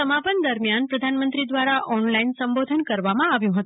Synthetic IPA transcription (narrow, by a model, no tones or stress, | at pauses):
əmapənd̪əɾmjanpɾəd̪ʱanmə̃nt̪ɾid̪ʋaɾaʔʔɔnlainsəmbod̪ʱənkəɾʋamãaʋjũɦət̪ũ